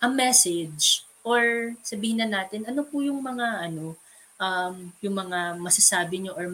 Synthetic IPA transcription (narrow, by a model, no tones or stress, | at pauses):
ʔɐŋmɛsɛd͡ʒd͡ʒ | ʔoɹsɐbiːhɪnːɐnaːt̪ɪnʔɐno̞pʊjʊŋmɐŋaʔɐno̞ | ʔɐmjʊŋmɐŋamɐsɐsaːbɪɲoʔoɹ